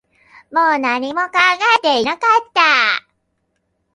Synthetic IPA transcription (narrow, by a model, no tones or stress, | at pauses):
moːnaɲ̟imo̞kãŋɡaet̪einakat̪ːa